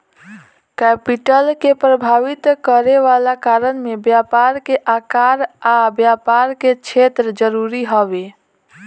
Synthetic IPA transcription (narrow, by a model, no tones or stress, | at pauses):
kɛpiʈəlkepɾəbʱaʋit̪kəɾeʋalakaɾənmebjapaɾkeʔakaɾabjapaɾket͡ʃʰet̪ɾəd͡ʒəɾuɾiɦəbe